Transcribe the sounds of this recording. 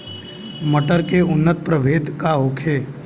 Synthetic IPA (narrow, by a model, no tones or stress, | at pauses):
məʈəɾkeʊnːət̪̚pɾəʋʱeːd̪kaɦoːkʰeː